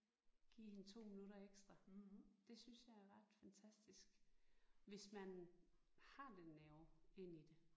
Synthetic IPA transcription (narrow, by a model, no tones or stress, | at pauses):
ɡ̥ḭːhe̝nt͡sʰo̝̰ːminuɾɐeɡ̥sd̥ʁɑd̥e̝synsjɑ̈ɪæɐʁɑ̈d̥fænt͡sʰæsd̥isɡ̥ | ʋe̝smæn | hɑ̈d̥enːæʊe̝n̰id̥e̝